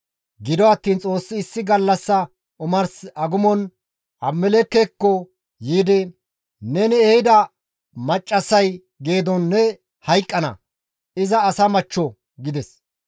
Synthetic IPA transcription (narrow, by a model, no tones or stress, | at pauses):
ɡɪd̪ɔɐt̪ːiːnt͡sʼo̞ːsːɪːsːɪɡɐlːɐsːɐ | ʊmɐɾsɐɡʊmɔn | ʔɐmːɛlɛkːɛkːɔ | jiːd̪ɪ | nɛnɪɛhɪd̪ɐ | mɐt͡ʃʼːɐsɐj | ɡe̞ːd̪ɔnːɛ | hɐjkʼːɐnɐ̰ | ɪzɐːsɐmɐt͡ʃːɔ | ɡɪd̪ɛs